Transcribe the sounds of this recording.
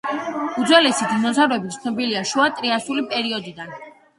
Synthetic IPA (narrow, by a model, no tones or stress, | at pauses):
ud̪zwɛlɛsid̪ʰinɔzʰaɾɔɛbit̪ʰnɔbiliaʃuat̪ʼɾiasulipʼɛɾiɔd̪id̪an